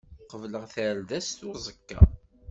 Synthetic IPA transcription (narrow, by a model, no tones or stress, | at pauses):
qəvləʁθælðæst̪ʊzˤəkːɑ̰